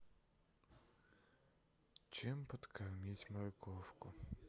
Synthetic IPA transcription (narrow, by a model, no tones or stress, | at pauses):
t͡ʃɪmpɔt̪kʰɐwmʲit͡sʲmɐɾɪkʰɔwkʊ